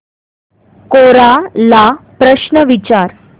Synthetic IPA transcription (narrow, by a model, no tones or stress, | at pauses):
koɾalapɾəɕnəʋit͡ɕaɾ